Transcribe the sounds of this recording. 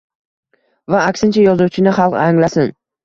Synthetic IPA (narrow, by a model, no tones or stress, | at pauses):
vaːkʲsɪnt͡ʃʰajɒzuwt͡ʃʰɪnɪχɑlˠqaŋlasɪn